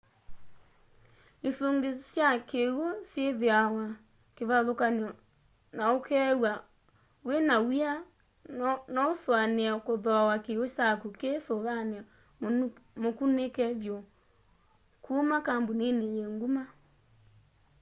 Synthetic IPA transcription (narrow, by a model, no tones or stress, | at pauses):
esoŋɡesjakeɣosjeðeawa | keβaðokanɔ | naokɛwa | wenawia | nɔoswaneakoðɔawakeɣot͡ʃakukesoβanea | mokunekɛβjɔ | kʰumakambonenejeŋɡuma